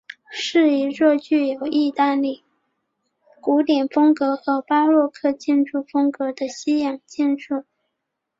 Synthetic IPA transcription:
ʂɻ̩˥˩i˧˥ɻɔ˥˧t͡ɕy˥˩jo˨˩ʊi˥˧t̪a˥˧li˥˩ | ku˧˥t̪jɛ˨˩nfɤ˥ŋkɤ˧˥xɤ˧˥pa˥lwɔ˥˧kʰɤ˥˧t͡ɕi˥˧nʈ͡ʂu˥˩fɤ˥ŋkɤ˧˥d̪ə˧ɕi˥jɑ˨˩ŋt͡ɕɛ˥˧nʈ͡ʂu˥˩

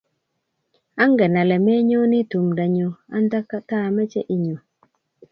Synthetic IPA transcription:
a˦ŋ˦ɡɛ˨na˨lɛ˨me˦ɲo˦ni˦tu˨mda˨ɲo˨a̰˦n˦da˦ka˦ta˦˨mɛ˦t͡ʃɛ̰˦ʔi˨ɲo˨

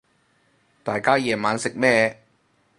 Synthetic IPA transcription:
t̪aː˨jkaː˥jɛː˨maː˨˧˥nsɪ˨k̚mɛː˥˧

